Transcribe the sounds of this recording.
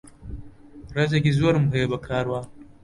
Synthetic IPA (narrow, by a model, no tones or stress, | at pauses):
ɾɐzɐɡʲizʊwɐrmuɦeːbakʰaːɽwaː